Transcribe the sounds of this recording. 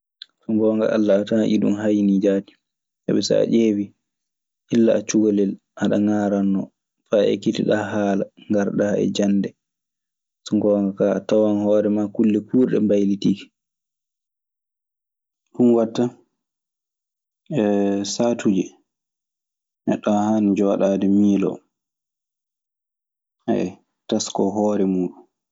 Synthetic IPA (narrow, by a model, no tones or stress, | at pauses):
sɔŋɡɔŋɡa̰ʔa̰lːaːtanaʔḭɗṵmɦajnid͡ʒaːti̥ | sa̰ɓɛsa̰a̰ʔeːwi | ʔilːaːt͡ʃuɡɔlɛl | ʔaɗaŋaɾanːɔ | faɛ̰kitiɗaɦaːlaŋɡaɾɗaːɛ̰d͡ʒandɛ | sɔŋɡɔŋɡakaa̰tawanhɔːɾɛmakulːɛkuːɾɗɛ̰mbajlitiːki̥ | hunwatːa | ɛsaːtʰud͡ʒɛ | ʔɛɗahand͡ʒɔɗaːdɛmiːlɔ̰ | aɛ | taskɔɦɔːɾɛmuːɗun